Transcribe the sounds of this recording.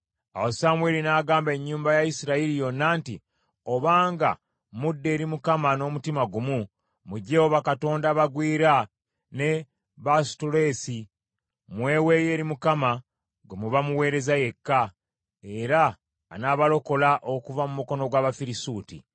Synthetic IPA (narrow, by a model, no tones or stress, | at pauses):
a̰wosamwe̞ːlinaːɡaːmbe̞ɲːuːmbajaisiɾailijo̞nːaːnti | o̞βaːŋɡa̰ | mudːe̞ːɾimukamano̞ːmutimaɡumu | muɟe̞hoβakato̞ːndaβaɡwiːɾa | ne̞ | βastole̞ːsi | mwe̞ːwe̞ːje̞ːɾimukama | ɡemuβamuwe̞ːɾe̞zaje̞kːa | e̞ɾaː | naβalo̞ko̞laʔo̞kuvamumuko̞no̞ɡwaːβafiɾisuːtḭ